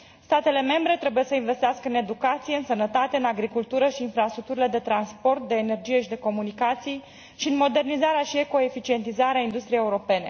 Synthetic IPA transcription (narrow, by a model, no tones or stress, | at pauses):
st̪at̪e̞le̞me̞mbɾe̞t̪ɾe̞buje̞səinve̞st̪easkəɨne̞d̪ukat̪sijeɨnsənət̪at̪e̞ɨnaɡɾikult̪uɾəʃiːnfɾast̪ɾuk̚t̪uɾile̞d̪e̞t̪ɾanspo̞rt̪̚d̪e̞ːne̞rd͡ʒije̞ʃid̪e̞ko̞munikat̪sij | ʃiɨnmo̞d̪e̞rnizaɾeaʃieko̞e̞fit͡ʃie̞nt̪izaɾeaind̪ust̪ɾijejeuɾo̞pe̞ne̞